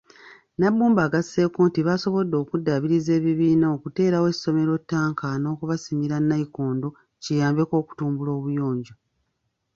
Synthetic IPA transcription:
nabːuːmbaːɡase̞ːkoːntiβaso̞βo̞dːo̞ːkudːaβiɾize̞ːβiβiːnao̞kute̞ːɾawe̞so̞me̞ɾo̞tːaːŋkano̞ːkuβasimiɾanːaikoːndo̞ | cijaːmbe̞ko̞ːku̥tuːmbulo̞ːβujo̞ːɲɟo

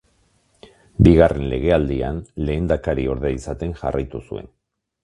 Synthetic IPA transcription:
biɣarʔe̞nle̞ɣ̞e̞ald̪ia̰nle̞ːnd̪akaɾio̞ɾðeisat̪e̞nʝarajt̪usue̞̰n

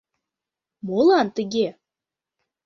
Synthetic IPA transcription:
molˠɑnt̪ə̆ɡʲe

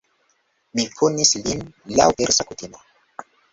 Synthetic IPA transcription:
mikʰunislinla̰wʔɛɾsakut̪ina

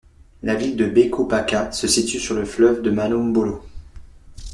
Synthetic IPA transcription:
lavild̪əbekʰopakasəsit̪ysyʁləflœvd̪əmanɔmbɔlo

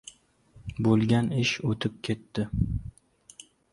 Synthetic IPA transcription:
bolˠɡʲanɪʃot̪ʰɪp̚kʲʰe̞t̪ːɪ

